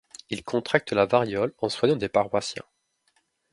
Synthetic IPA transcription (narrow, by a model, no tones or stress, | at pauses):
ilkʰɔ̃t̪χak̚t̪əlavaʁjɔlɑ̃swaɲɑ̃d̪epaʁwasjɛ̰̃